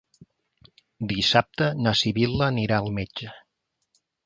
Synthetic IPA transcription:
d̪isap̚t̪ənəsiβiləːniɾaəlˠmed͡ʒə

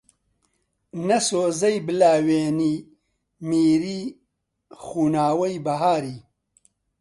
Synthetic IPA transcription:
nɐsoːzɐjbɨlaːweːniː | miːɾiː | xuːnaːwɐjbɐɦaːɾiː

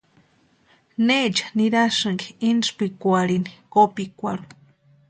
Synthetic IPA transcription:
net͡ʃḁniɾasɨŋɡiinʐpikʷaɾinikopikʷaɾu

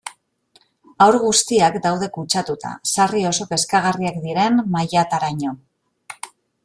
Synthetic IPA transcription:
awɾɣ̞ust̪iakd̪awð̞e̞kut͡ʃat̪ut̪a̰sario̞so̞pe̞skaɣ̞ariakd̪iɾe̞nmajat̪aɾaɲo̞

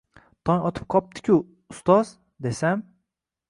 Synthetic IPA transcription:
t̪ʰɒnʲɒt̪ʰɨ̥p̚qʰɒp̚t̪ʰɪ̥kʲʰʊ | ʊst̪ɒz | d̪esam

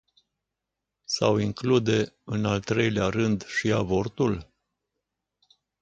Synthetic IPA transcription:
sa̰wiŋklud̪e̞ɨnalt̪ɾe̞jleaɾɨnd̪ʃiavo̞rt̪ul

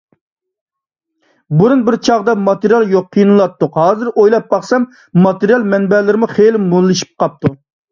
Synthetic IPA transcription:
buɾunbɪɾt͡ʃʰɑʁd̪ɑmɑt̪ɨɾijɑlˠjoqʰːijinɨlˠɑt̪ːʊqhɑːzɨɾojlˠɑp̚bɑχsɛmː | ɑt̪ɨɾjɑlˠmɛnbɛlɪɾɪmuχelɪmulˠːɨʃi̥p̚qɑp̚t̪u

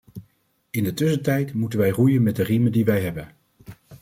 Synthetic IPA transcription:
ɪndətɵsəntɛjtmutənʋɛjrujənmɛdərimədiʋɛjɦɛbən

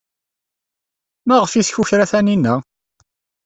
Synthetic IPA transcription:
mæʁəfisçuçɾæθæninːæ

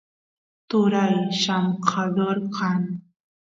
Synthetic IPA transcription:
t̪ʊɾajʃamqʰɑd̪oɾqʰɑn

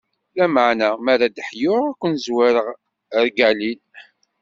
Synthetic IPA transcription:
læmaʕnæmæɾad̪əħjʊʁækʷːənzwæɾəʁ | ɾɡælil

